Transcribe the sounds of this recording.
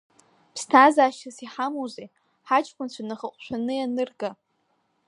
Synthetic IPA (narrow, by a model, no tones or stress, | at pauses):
pʰstʰazaːʃtasiħamowzej | ħat͡ʃʼkʷʰʼʊnt͡ɕʷʰanɨχəqʷʼʃʷᶣanɨjanɨrɡa